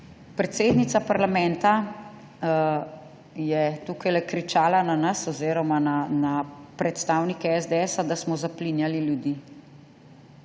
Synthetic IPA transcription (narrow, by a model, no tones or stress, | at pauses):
pɾɛt̪seːd̪nit̪sapaɾlamɛ̃nt̪a | jɛt̪uːkajlɛkɾit͡ʃaːlananasɔziːɾɔmananapɾɛt̪st̪awnikɛɛzd̪eɛsad̪asmɔzaplinjaliljud̪iː